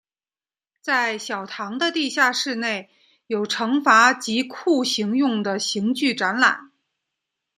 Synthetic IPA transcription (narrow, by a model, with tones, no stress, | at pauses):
t͡sa˥˩ɪɕjɑ˨˩ʊt̪ʰɑ˧˥ŋd̪ə˧t̪i˥˧ɕja˥˧ʂɻ̩˥˧ne˥˩ɪ | jo˨˩ʊʈ͡ʂʰɤ˧˥ŋfa˧˥t͡ɕi˧˥kʰu˥˩ɕi˧˥ŋjʊ˥˩ŋd̪ə˩ɕi˧˥ŋt͡ɕy˥˩ʈ͡ʂa˧˥nla̰˨˩˦n